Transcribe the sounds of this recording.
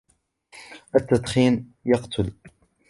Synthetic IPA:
ʔət̪ːat̪ˤχiːnjɑqt̪ʰʊl

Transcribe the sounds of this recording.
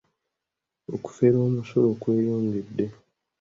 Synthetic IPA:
o̰ku̥fe̞ɾo̞ːmuso̞lo̞kwe̞ːjoːŋɡedːe̞

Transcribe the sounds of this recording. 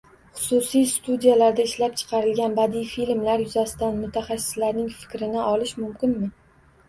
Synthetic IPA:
χʊ̥sʊsijst̪ud̪ijalaɾd̪aɪʃlap̚t͡ʃʰɨ̥qʰɑɾɪlɡʲanbad̪ijfilmlaɾjʊzasɪd̪anmʊt̪ʰaχɑsːɪ̥slaɾnɪŋfɪ̥kʲɾɪnɪʔɒlɪʃmʊmkʲɪnmɪ

